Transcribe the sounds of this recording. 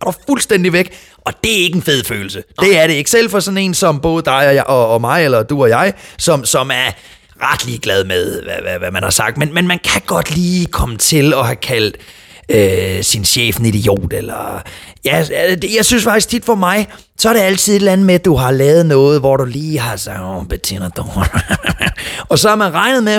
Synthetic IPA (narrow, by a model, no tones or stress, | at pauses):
ɐd̥ufulsd̥end̥iʋeɡ̥ | ʔɒ̽d̥e̝æe̝ɡ̥enfe̝ð̞̰ˠfø̰ːl̩səd̥e̝æɐɾe̝e̝ɡ̥sel̰fɒ̽sɒ̽ne̝̰ːnsɒ̽mb̥ɔ̽ːð̞̩ˠəd̥ɑ̈ɪɒjʔɒːmɑ̈ɪelɐd̥uɒ̽jɑ̈ɪsɒ̽msɒ̽mæɐ | ʁɑ̈d̥liːɡ̥lɛð̞ˠmeðˠʋæʋæʋæmænhɑ̈sɑ̈ɡ̥d̥menmenmænkʰæɡ̥ɒ̽d̥liːkʰɒ̽mət͡sʰe̝lɒ̽ɦækʰæl̰d̥ | øsinɕḛːfn̩id̥ijo̝̰ːd̥elɐjææd̥jɑ̈ɪsynsfɑ̈ɡ̥isɡ̥̚t͡sʰid̥fɒ̽mɑ̈ɪ | sɒɐɾ̥e̝æl̰t͡sʰiðˠe̝d̥lænð̩ˠmed̥uɦɑ̈lɛːʊð̞̩ˠnɔ̽ːð̩ˠʋɒɾ̥uliːɦɑ̈sɑɡb̥et͡sʰenɐd̥o | ɒ̽sɒ̽æɐmænʁɑ̈ɪnð̩ˠme